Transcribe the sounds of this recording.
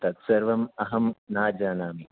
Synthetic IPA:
t̪ɐt̪sɐɾʋɐmɐɦɐmnaːd͡ʒaːnaːmi

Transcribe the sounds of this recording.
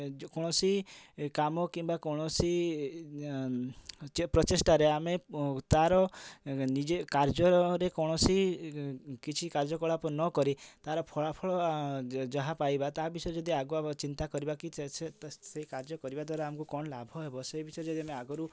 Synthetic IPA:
kɔɽ̃ɔsikamɔkimbakɔɽ̃ɔsi | t͡ʃpɾɔt̪esʈaɾeamet̪aɾɔnid͡ʒekaɾd͡ʒɔɾekɔɽ̃ɔsi | kit͡ʃʰikaɾd͡ʒɔkɔɭapɔnɔkɔɾit̪aɾɔpʰɔɭapʰɔɭɔ | d͡ʒɔɦapajbat̪abisɔjed͡ʒɔd̪iaɡuat͡ʃint̪akɔɾibakiset̪seikaɾd͡ʒɔkɔɾibad̪waɾaamɔkukɔɳ̃labʱɔɦebɔsebisɔjed͡ʒɔd̪iameaɡɔɾu

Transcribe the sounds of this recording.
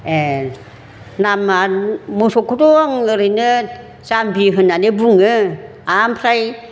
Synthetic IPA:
e | namamusokʰutoaŋɯɾɯnɯ | zambiɦɯnːanebuŋɯ | ampʰɾaj

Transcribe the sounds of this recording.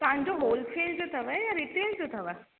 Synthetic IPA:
t̪aɦãɲd͡ʑoɦoːlfʰeːld͡ʑot̪ʰɐʋəɛjaɾiːʈeːld͡ʑot̪ʰɐʋə

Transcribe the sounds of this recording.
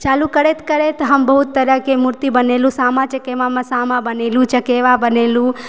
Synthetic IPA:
t͡ʃaːlukəɾet̪kəɾet̪ɦəmbəɦut̪ːəɾjəkemuɾt̪ibənelũsaːmãt͡ʃəkeʋamãsaːmãbənelũt͡ʃəkeʋabənelũ

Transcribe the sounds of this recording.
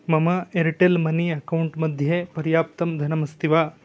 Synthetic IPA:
mɐmɐeɾiʈelmɐniɐkɐwuɳʈmɐd̪ʱjɐpɐɾjaːp̚t̪ɐmd̪ʱɐnɐmɐst̪iʋaː

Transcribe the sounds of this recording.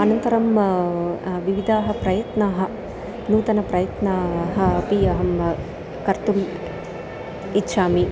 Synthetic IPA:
ɐnɐnt̪ɐɾɐm | ʋiʋid̪ʱaːɦɐpɾɐjɐt̪naːɦɐ̆ | nuːt̪ɐnɐpɾɐjɐt̪naːɦɐpijɐɦɐm | kɐɾt̪uʋi | tːʃaːmi

